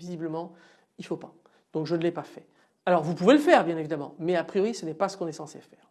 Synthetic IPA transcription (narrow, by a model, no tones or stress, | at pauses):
vizibləmɑ̃ | ilfopa | d̪̥ɔ̃kʒənəlɛpafɛ | alɔʁvupuveləfɛʁbjɛ̃nevid̪amɑ̰̃mɛapχijɔʁisənɛpasə̥kɔ̃nɛsɑ̃sḛfɛːʁ